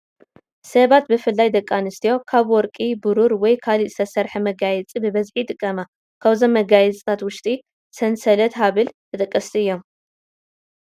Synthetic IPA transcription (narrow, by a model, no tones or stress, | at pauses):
sɐβat̪̚bɨfɨlːajd̪ɐkʼːanɨst̪ʰijo̞kʰaβwɔɾkʼibɨɾuɾwɔjkʰaliʔsɐsɐɾħimɐɡajɛt͡sʼibɨβɐzħit̪ʼɨkʼːɐma | kʰaβzomːɐɡajɛt͡sʼt̪ʰat̪wʊʃt̪ʼi | sɐnsɐlɐt̪ɦaβɨlt̪ʰɨt̪ʼɐkʼːɐst̪ʰiɨjːo̞m